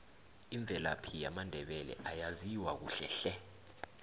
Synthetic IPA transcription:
iɱb̪vʱɛla̰pʰijamandʱɛɓɛlɛ̰ʔajaziwak̬ṵɬɛɬɛ

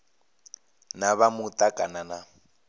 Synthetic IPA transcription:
naβamutʼakʼanana

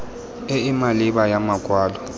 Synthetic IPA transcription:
eimaliɓajamaɡ̥ʱwaːlɔ

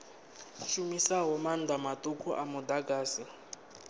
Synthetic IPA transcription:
ʃumisaɦɔmand̪amatʼukʰuʔamud̪aɡaːsi

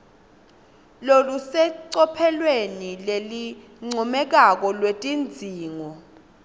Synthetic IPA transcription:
lolusɛǀɔpʰɛlwenileli | ŋ͡ǀʱɔmɛk̬ak̬ɔlwetʼind͡zʱiːŋɔ

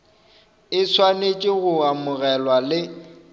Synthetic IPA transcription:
ɪsʰwanet͡ʃʼɪɣʊamʊɣɛlwalɪ

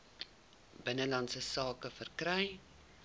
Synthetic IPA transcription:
bənəlɐnsəsɑːkəfərkɾɛj

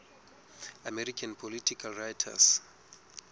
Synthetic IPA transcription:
amɛɾikʰãnpʰɔlitʰikʰalrajtʰa̰s

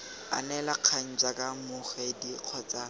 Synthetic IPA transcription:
a̰nɛlaq͡χʰaŋ̩t͡sakʼamʊχɛdiq͡χʰɔt͡sʼa

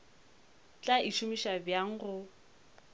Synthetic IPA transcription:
t͡ɬʼaʔiʃʰumiʃabjaŋ̩χʊ

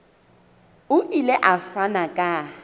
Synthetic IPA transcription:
ʊʔilɛʔafanakʼa

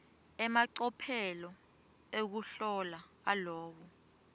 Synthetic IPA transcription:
ɛmaǀɔpʰɛlɔ | ek̬uɬɔlaalɔːɓɔ

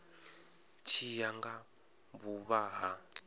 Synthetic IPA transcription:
t͡ʃʰijaŋɡa | buβaɦa

